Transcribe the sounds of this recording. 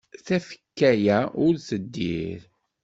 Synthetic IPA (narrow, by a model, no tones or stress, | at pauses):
θæfə̥kːæjæʊɾθəd̪ːḭɾ